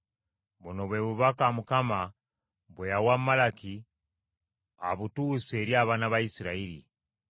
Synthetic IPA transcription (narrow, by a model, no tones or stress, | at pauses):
βunoβweːβuβakamukama | βwejawamːalaki | a̰βutuːse̞ːɾjaːβanaβaisiɾaiɾḭ